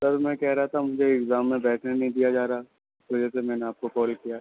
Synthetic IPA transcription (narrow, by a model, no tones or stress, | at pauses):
sɐɾmɛ̃kɛɦɾaɦat̪ʰamʊd͡ʒʱeɪɡzaːmːẽbɛːʈʰnẽnɐɦĩd̪ijad͡ʒaːɾaa | ɪsʋɐd͡ʒɛsemɛ̃ːneaːp̚kokɔːlkijaː